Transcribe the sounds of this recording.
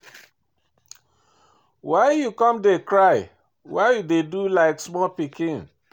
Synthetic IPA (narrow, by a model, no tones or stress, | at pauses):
waɪjukɔ̃mdekɹaɪ | waɪjudedulaɪksmɔlpikĩn